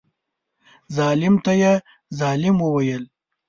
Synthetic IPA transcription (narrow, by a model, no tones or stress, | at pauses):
zɑːlɪmt̪aje | zɑːlɪmwəwajəl